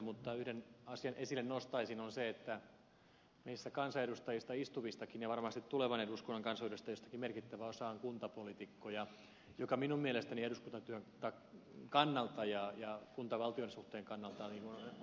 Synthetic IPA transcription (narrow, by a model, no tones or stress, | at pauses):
mut̪ːɑyhdenɑsiɑnʔesilːennost̪ɑisinonseet̪ːæ | meisːækɑnsɑeɾust̪ɑjist̪ɑist̪uʋist̪ɑkinjɑʋɑrmɑst̪it̪t̪ːuleʋɑneduskonːɑŋkɑnsɑyrøst̪ɑjost̪ɑ̥kimmerkit̪ːæʋæosɑoŋkunt̪ɑpolit̪ikːojɑ | jokɑminummielest̪ænieduskunt̪ɑt̪yøŋt̪ɑ | kɑnːɑlt̪ɑjɑjɑkunt̪ɑʋɑlt̪ionsuht̪eːŋkɑnːɑlt̪ɑniːŋkun